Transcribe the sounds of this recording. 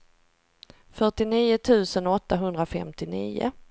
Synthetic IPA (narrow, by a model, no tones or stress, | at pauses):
fœʈɪniːʊt̪ʰʉ̟ːsənɔt̪ːaɦɵnd̪ɾafɛ̰mt̪ɪnḭːʊ̰